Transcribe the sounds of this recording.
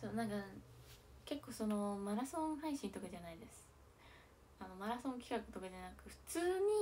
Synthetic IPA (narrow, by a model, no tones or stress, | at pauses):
soːnãŋka | ke̞kːo̞ːso̞no̞maɾasõ̞ɰ̃haiɕĩnt̪o̞kad͡ʑanaid̪e̞sɨ̥ | ano̞maɾasõ̞ŋkʲi̥kakɯ̟̥t̪o̞kad͡ʑanakɯ̟ɸɯ̟̥t͡sɨːɲ̟i